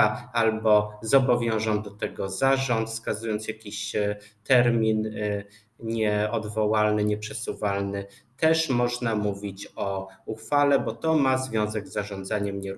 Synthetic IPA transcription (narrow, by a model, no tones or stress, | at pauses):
aalbɔzɔbɔvʲjɔ̃w̃ʐɔnd̪ɔt̪ɛɡɔzaʐɔnt̪skazujɔnt̪sjakʲiɕt̪ɛɾmʲin | ɲɛɔd̪vɔwalnɘɲɛpʂɛsuvalnɘt̪ɛʂmɔʐnamuvʲit͡ɕɔuxfalɛbɔt̪ɔmazvʲjɔ̃w̃zɛɡzːaʐɔ̃nd̪zaɲɛmɲɛɾ